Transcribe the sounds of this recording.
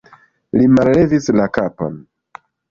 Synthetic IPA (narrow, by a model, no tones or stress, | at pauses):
limalle̞vislakapo̰n